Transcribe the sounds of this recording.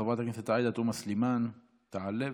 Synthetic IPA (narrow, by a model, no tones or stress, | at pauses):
ɑbɑːt̪akɪnt̪at̪ʕaːd̪at̪uːmaslimaːn | t̪aʕalːɪ